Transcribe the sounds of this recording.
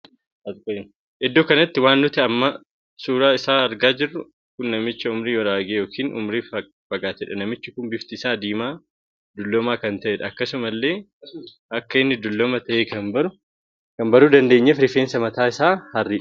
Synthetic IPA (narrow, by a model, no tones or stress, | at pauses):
ɐt̪kʼ | ʔɪd̪ːoːkɐnɐt̪ːɪwaːnːʊt̪ɪɐmːɐ | suːɾaːɪsaːɐɾɡaːd͡ʒɪrːʊ | kʊnːɐmɪt͡ʃːɐʊmɾiːwɐɾaːɡeːjo̞ːkʰiːnʔʊ̰mɾiːf | fɐɡaːt̪ɛᶑɐnɐmɪt͡ʃːɪkʊnbɪft̪ɪsaːd̪iːmaː | d̪ʊlːɔmaːkɐnt̪ɐʔɛᶑɐɐkːɐsʊmɐlːe̞ː | ʔɐkːɐɪnːɪd̪ʊlːɔmɐt̪ɐʔeːkɐnbɐɾʊ | kɐmbɐɾuːd̪ɐnd̪eːɲːɐfɾɪfeːnsɐmɐt̪aːɪsaːhɐrːiːᶑ